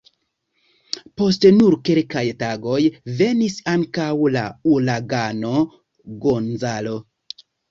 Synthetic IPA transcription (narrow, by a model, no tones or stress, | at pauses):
po̞stenuɾkelkajtaɡo̞jve̞nisaŋkawla̰ulaɡano̞ | ɡonzalo̞